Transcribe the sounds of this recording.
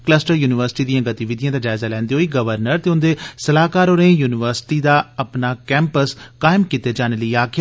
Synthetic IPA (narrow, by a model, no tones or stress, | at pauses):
kləsʈəɾjuːnɪʋəɾsɪ̥ʈiːd̪ijãːɡət̪iʋɪd̪ijãːd̪aːd͡ʒaːɪzaːlɛ̃ːnd̪iːɦoːiːɡəʋəɾnəɾt̪eːʊnd̪eːsəlaːkaːɾoːɾẽːjuːnɪʋəɾsɪ̥ʈiːd̪aːəpnaːkɛ̃ːmpəskaːɪmkit̪eːd͡ʒaːneːləiːaːkʰja